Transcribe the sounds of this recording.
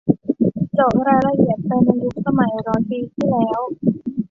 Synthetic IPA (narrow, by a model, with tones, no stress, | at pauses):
t͡ɕo˨˩˦ŋɾaː˧jla˧ʔi˨˩ət̪̚pa˧jna˧ju˦˥k̚sa˧ma˨˩˦jɾɔː˨˩˦npiː˧t̪ʰiː˥˩lɛː˦˥w